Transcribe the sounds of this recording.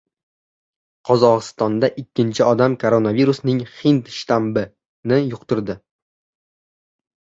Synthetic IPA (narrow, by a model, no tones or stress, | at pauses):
qʰɒzɒʁɨst̪ɒnd̪aʔɪkʲʰːɪnt͡ʃʰɪɒd̪amkʰoɾonaviɾusnɪŋhɪnt̪ʃt̪ambɪ | nɪjʊqt̪ʊɾd̪ɪ